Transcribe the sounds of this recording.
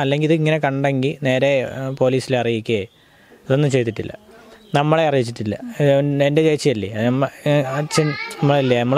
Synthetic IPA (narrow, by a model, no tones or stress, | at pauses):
ɐlːe̞ŋɡiliðɨiŋːɐne̞kɐɳɖeŋɡilne̞ːɾe̞po̞ːliːsileɐrijikʲːɐ | ɐðo̞nːɨt͡ɕe̞jt̪ːiʈːilːɐ̰nɐmːɐɭeɐrijit͡ɕːiʈːilːɐiendet͡ɕet͡ɕːɐjɐlːḭɐmː | t͡ɕenɐmːɐɭilːijɐɐmːɐɭ